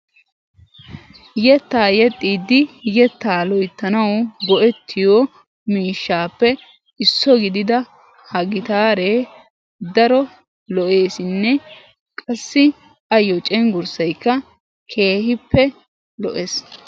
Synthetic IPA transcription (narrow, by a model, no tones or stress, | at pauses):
jɛt̪ːaːjɛt̪ʼːiːd̪ːɪjɛt̪ːaːlɔjt̪ːɐnɐwɡɔʔɛt̪ʰːɪjo | miːʃːaːpːɛ | ɪsːɔɡɪd̪ɪd̪ɐ | hɐɡɪt̪aːɾeː | d̪ɐɾɔ | lɔʔe̞ːsɪnːɛ | kʼɐsːɪ | ɐjɔt͡ʃʼɛŋɡʊɾsɐjkːɐ | kʰe̞ːhɪpːɛ | lɔ̰ʔes